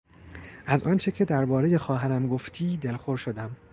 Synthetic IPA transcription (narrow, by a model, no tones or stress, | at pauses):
ʔæzʔɒːnt͡ʃʰe̞cʰe̞d̪æɾbɒːɾeje̞xɒːɦæɾæmɡoft̪ʰiːd̪elxoɾʃod̪æm